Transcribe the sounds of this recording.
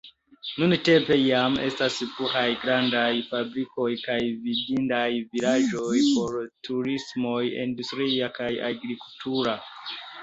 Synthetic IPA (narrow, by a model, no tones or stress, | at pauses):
nunte̞mpe̞jame̞̰staspuxajɡɾandajfabɾiko̞jkajvidindajvilaʒo̞jpo̞ɾtuɾismo̞jḭndustɾiakaja̰ɡɾikultʰuɾa